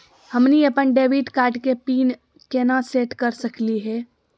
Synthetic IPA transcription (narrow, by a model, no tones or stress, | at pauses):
hɐmniɐpənɖeːʋiʈkaːɾʈkepiːn | keːnaseːʈkɐɾsɐkliɦɛː